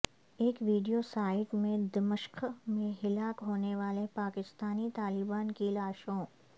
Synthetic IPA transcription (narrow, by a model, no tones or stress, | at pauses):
eːkʋiːɖijosaːɪʈmẽd̪ɪməʃkʰmẽɦɪlaːkɦoːneʋaːlepaːkɪst̪aːnit̪aːlɪbaːnkilaːʃõː